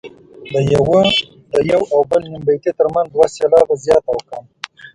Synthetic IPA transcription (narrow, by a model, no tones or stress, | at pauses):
d̪əjawə | d̪əjawawbəlnɪmbet̪et̪əɾmanzd̪waselɑbazjɑt̪awəkəm